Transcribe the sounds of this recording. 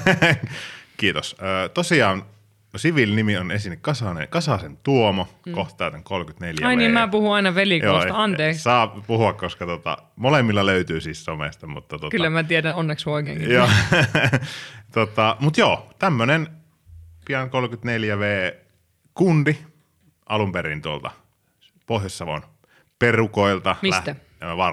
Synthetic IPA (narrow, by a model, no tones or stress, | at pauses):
kiːt̪osəːt̪osiɑːn | siʋilnimionḛnsinːekkɑsɑnḛkɑsɑsent̪uomokoht̪t̪ˑɑˑːt̪eŋkolkyt̪neljæɑinimæpuhuɑinɑʋelikjoːˑsɑɑnt̪eːkssɑːpuhuɑkkoskɑt̪uot̪ɑ̰molemːilːɑløyt̪yːsiːssomḛst̪ɑmṵt̪ːɑt̪uokyllːæmæt̪ieɾæonːeksʋoˑikḛːkijoː | t̪ot̪ɑmut̪joːt̪æmːønen | piɑŋkolkyt̪neljæʋeː | kundi | ʔɑlumperint̪uolt̪ɑ̰ | pohjɑsːɑʋo̰n | perukoilt̪ɑmilsæt̪æ | ʋɑ